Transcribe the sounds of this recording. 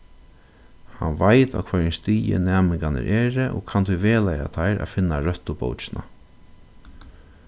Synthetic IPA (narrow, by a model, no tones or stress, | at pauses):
hanʋajt̪a̰wkʰvɛːɹɛnst̪iːjɪ̰nɛːmɪŋkanɪ̰ɾʔɛːɾɪʔɔːkʰant̪ʰuʋeːlaja̰t̪ʰajɾʔæ̰fɪnːaɾœht̪ʊpo̰wt͡ʃɪna